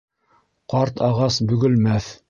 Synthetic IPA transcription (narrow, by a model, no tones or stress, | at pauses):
qɑɾt̪ʰɑʁɑsbɵ̆ɡɘ̆lmæθ